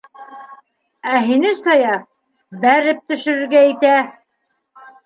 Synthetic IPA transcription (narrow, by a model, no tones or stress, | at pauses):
æɦinɘsɑjɑ | bæɾɘp̚t̪ɵ̆ʃɵ̆ɾɘ̆ɾɡæit̪æ